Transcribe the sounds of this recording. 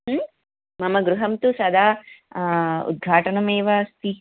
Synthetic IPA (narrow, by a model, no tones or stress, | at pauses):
ɦ | mɐmɐɡɾuɦɐmt̪usɐd̪ʱaː | ṵd̪̚ɡʱaːʈɐnɐmeːʋɐst̪i